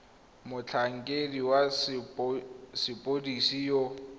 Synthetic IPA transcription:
mʊt͡ɬʰaŋ̩kʼediwa | sɪpʼodisijo

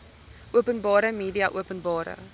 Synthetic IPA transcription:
ʔuəpənbɑːɾəmiːdiɐʔṵəpənbɑːɾə̰

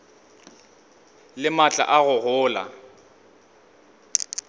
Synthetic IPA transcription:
lɪmat͡ɬʼa̰ʔaɣʊɣʊːla̰

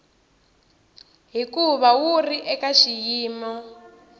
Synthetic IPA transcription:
ɦikuβawuriʔɛkaʃijiːmɔ

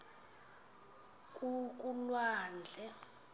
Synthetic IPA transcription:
kʼuk̬ʼulwaːnd͡ɮʱɛ

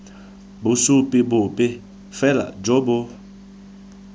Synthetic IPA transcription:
bʊsupʼɪbʊpɪ | fɛla̰d͡ʒobʊ

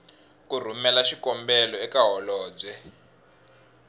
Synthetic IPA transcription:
kur̤umɛlaʃikɔmbɛlɔɛkaɦɔlɔːb͡ʐɛ

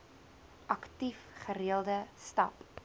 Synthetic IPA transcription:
ʔɐktifχəɾiəlˠdəstɐp

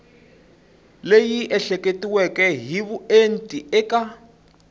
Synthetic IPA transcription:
lejiʔɛɬɛketʼiwɛkʼɛɦiβuentʼiɛːka

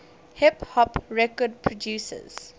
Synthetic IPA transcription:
hɪphɔpɹɛkɔd̚pʰɹɔdjuːsə̰z̥

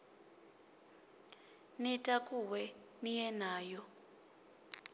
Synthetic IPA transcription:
nɛtʼakʼuwɛ | nijɛnaːjɔ

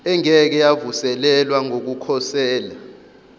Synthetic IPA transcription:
ɛŋɛk̬ɛjavusɛlɛlwaŋok̬ukʰɔsɛːla

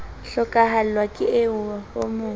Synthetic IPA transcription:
ɬɔkʼaɦal̩lwakʼɪɪʊahʊmʊː

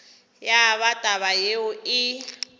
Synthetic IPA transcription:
jaβatʼaβajeʊɪ

